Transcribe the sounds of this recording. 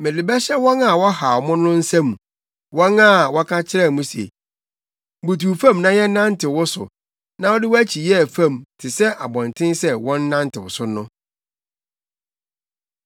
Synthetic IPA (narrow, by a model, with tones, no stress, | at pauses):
mɪ̃˨dɪ˨bɛ˦ɕɛ˦wɔ̃˦na˨wɔ˦ha˨ɔ˨mʊ̃˦nʊ̃˦n̩˦sæ˦mũ˨ | wɔ̃˦nã˦˨wɔ˦kʰã˦t͡ɕʰɪ˦ɾɛ˦˨mũ˦sḛ˨ | bu˨tʰu˨fã˦mnã˦jɛ˦nã˦ntʰɪ˨wʊ˦sʊ̰˨ | nã˦wɔ˦dɪ˦wɔ˦æ˦t͡ɕʰi˨jɛ˦˨fã˦˨mtʰɪ˨sɛ˦ʔa˨bɔ̃˨ntʰɪ̃˦nsɛ˦wɔ̃˦nː˦ã˦ntɪ˨wʊ̰˨sʊ˦nʊ̃˦